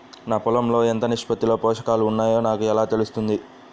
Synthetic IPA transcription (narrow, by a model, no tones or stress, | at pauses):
naːpulɐmlo̞ːent̪ɐniʂpɐt̪ilo̞ːpɔːʂɐ̥kaːluːnːaːjo̞ːnaːkuɛlaːt̪elust̪und̪i